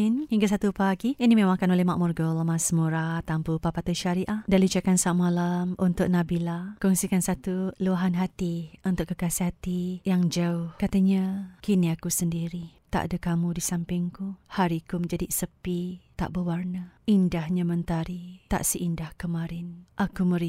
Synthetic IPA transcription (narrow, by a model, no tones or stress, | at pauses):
nhiŋɡas̬at̪upaɡiinimemaŋkanolɛhmaʔmurɡəlmasmuɾat̪ampupapat̪uʃaɾiʔadalut͡ʃakansaʔmalamunt̪ʊʔ̚nabilakɔŋsikansat̪uluaɦanɦat̪iunt̪ʊʔkːəkasiɦat̪ijaŋd͡ʒaʊhkat̪aɲakiniakusəndiɾit̪a̰ʔa̰dəkamudisampɪŋkuhaɾikuməɲd͡ʒadisəpit̪a̰ʔbəwarnəindahɲamənt̪aɾit̪a̰ʔsiʔindahkəmaɾɪnʔakuməɾi